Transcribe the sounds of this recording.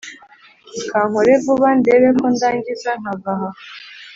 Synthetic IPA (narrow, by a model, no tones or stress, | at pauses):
kʰaɦɔɾebʊβan̩deɾemʊn̩daŋɡizaŋabaɦa